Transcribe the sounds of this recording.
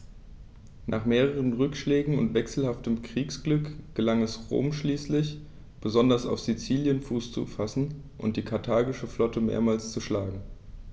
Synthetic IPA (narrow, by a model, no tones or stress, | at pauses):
nʔa̰ːχmeːʁəʁənʁʏkʃlɛːɡŋ̩ʊ̰ntv̥ɛksl̩haftəmkʁ̥iːksɡ̥lʏkɡ̥əlaŋɛsʁo̰ːmʃliːslɪç | b̥əzɔndɐsa̰ʊfz̥it͡siːljənfuːst͡sṵfasn̩ | ʔʊ̰ntd̥iːkʰaɐtʰaːɡɪʃəflɔtəmḛːɐmaːlst͡suʃlaːɡŋ̩